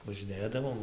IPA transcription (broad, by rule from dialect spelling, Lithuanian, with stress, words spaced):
ʋɐʒʲɪˈnʲeːdɐʋoːm